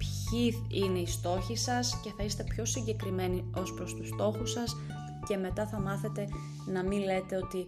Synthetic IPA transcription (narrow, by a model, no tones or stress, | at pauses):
pçi | ine̞ist̪o̞çisɐsce̞θɐist̪e̞pço̞siɲɟe̞kɾime̞nio̞spɾo̞st̪ust̪o̞xusɐs | ce̞me̞t̪ɐθɐmɐθe̞t̪e̞ | nɐmile̞t̪e̞o̞t̪i